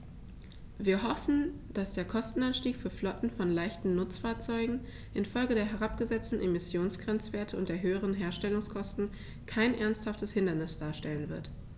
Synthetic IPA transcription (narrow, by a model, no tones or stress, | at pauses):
viːɐɦɔfn̩d̥asd̥eːɐkʰɔstn̩anʃtiːkfyːɐflɔtn̩fɔnlaɪçtn̩nʊt͡sfaːɐt͡sɔʏɡŋ̩ | ʔɪnfɔlɡədeːɐɦɛʁ̞apɡ̥əzɛt͡stn̩ʔemɪsjoːnsɡ̥ʁɛnt͡sv̥eːɐtʰəʊntd̥eːɐɦøːəʁ̞ənɦeːɐʃtɛlʊŋskʰɔstn̩ | kʰaɪnʔɛɐnsthaftəshɪndɐnɪsd̥aːɐʃtɛlənvɪɐt